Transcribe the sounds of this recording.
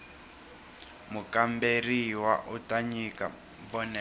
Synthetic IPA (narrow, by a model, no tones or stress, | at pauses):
mukamberiwaʔutaɲika̰ | bɔnɛ